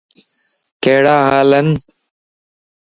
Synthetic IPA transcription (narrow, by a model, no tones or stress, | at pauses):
keːɽaːɦaːlən